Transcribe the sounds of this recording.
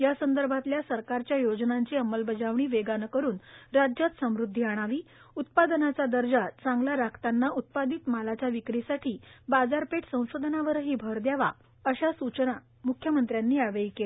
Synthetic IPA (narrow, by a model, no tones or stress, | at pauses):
jasənd̪əɾbʱat̪ljasəɾkaɾt͡ɕjajod͡znaɲt͡ɕiːəmːəlbəd͡zaʋɳ̃iːʋeɡankəɾuːnɾad͡ʑjat̪səmɾud̪ʱːiaɽ̃aʋiː | ut̪̚pad̪nat͡sad̪əɾd͡zat͡sãŋɡlaɾakʰt̪anːaʔut̪̚pad̪iːt̪malat͡ɕaʋikɾisaʈʰiːbad͡zaɾpeʈsə̃w̃sod̪ʱnaʋəɾɦiːbʱəɾd̪jaʋa̰ | əɕasut͡ɕəna | mukʰjəmənt̪ɾjanːiːaʋejkele